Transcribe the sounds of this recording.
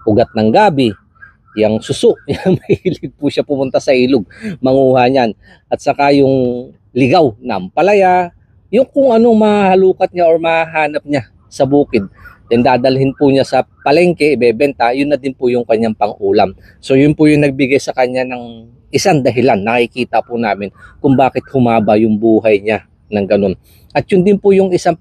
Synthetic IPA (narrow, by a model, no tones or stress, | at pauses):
ʔʊɡat̪̚nɐŋɡaːbɪ | jɐŋsʊsoʔjɐŋmɐhhilɪɡ̚pʊʃapʊmʊnt̪asɐʔiːlʊɡ̚mɐŋuːhaɲan | ʔɐt̪̚sɐkajʊŋ | lɪɡawnɐʔɐmpɐlɐja | jʊŋkʊŋʔɐnoŋmɐahɐluːkɐt̪̚ɲaʔo̞ɹmɐhaɦaːnɐp̚ɲa | sɐbuːkɪd̪̚jɐnd̪aːd̪ɐlhɪnpʊɲasɐpɐlɛŋkɛʔɪbɛːbɛnt̪ɐjʊnːɐd̪ɪnpʊjʊŋkɐɲːaŋpɐŋʔuːlam | so̞jʊnpʊjʊŋnɐɡ̚bɪɡajsɐkɐɲːanɐŋ | ʔɪsaŋd̪ɐɦɪlanːɐkɪkiːt̪ɐpʊnaːmɪnkʊŋbaːkɪt̪̚hʊmaːbɐjʊŋbuːɦɐjɲa | nɐŋɡɐno̞n | ʔɐt̪̚jʊnd̪ɪnpʊjʊŋɪsaŋ